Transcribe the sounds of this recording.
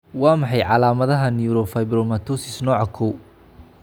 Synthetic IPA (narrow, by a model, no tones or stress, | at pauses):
wɑːmɑħɑjʕɑlaːmɐðɐɦɐniɾɔfɐjbɾɔmɐt̪ʰɔsɪsnɔːʕɑkʰɔw